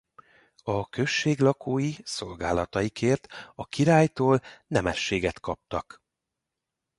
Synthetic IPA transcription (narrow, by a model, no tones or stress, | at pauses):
ɒkøʃːeːɡlɒkʰoːjiso̞lɡaːlɒt̪ɒjikʰeːrt̪ɒkiɾaːjt̪oːlnɛmɛʃːeːɡɛt̪kɒp̚t̪ɒk